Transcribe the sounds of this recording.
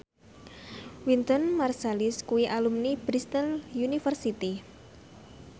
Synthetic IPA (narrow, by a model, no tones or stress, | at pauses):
wint̪ɔnmarsaliskuwiʔalumnib̥ɾist̪ənjunifərsit̪i